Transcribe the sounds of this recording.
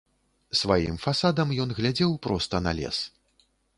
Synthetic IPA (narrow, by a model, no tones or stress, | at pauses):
svajḭmfasad̪ɐmjɔnɣlʲad͡zʲɛwpɾɔst̪ɐna̰lʲɛ̰s